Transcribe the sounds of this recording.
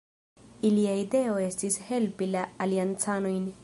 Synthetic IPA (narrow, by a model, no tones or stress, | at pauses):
iliaide̞o̞e̞stishe̞lpilaːliant͡sano̞jn